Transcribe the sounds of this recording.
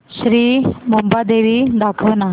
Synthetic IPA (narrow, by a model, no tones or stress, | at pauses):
ɕɾiːmumbad̪eʋiːd̪akʰəʋna